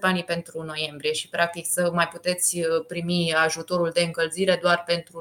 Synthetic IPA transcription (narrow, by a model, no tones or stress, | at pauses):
panipe̞nt̪ɾuno̞je̞mbɾije̞ʃi̥pɾak̚t̪iksəmajput̪e̞t̪sʲpɾimiaʒut̪o̞ɾuld̪e̞ɨŋkəlziɾe̞d̪oarpe̞nt̪ɾu